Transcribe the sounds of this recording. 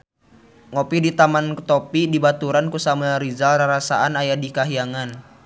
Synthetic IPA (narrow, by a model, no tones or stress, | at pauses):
ŋopidit̪amankət̪opidibat̪uɾankusamaɾizalraɾasaanajadikaɦiaŋan